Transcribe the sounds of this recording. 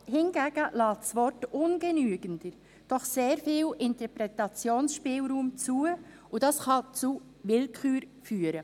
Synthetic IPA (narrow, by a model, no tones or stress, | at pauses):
hɪnɡ̥æːɡ̥əlɑːtsʋɔrtʊnɡ̥ɛnyəɡənd̥əɾ | d̥ɔχseːɾfiːlʔɪntəɾpɾɛtɑt͡sjoːnsʃpɪːlɾuːmt͡suə | udɑsχɑt͡su | ʋɪlkʰχyːɾ | fyːəɾə